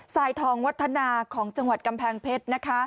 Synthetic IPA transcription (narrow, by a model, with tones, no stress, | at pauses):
saː˨˩jt̪ʰɔː˨˩˦ŋwa˦˥t̪ʰːa˧naː˧kʰɔː˩˦ŋt͡ɕa˧ŋwa˨˩t̪̚ka˧mpʰɛː˧ŋpʰe˦˥t̪̚na˦˥kʰa˦˥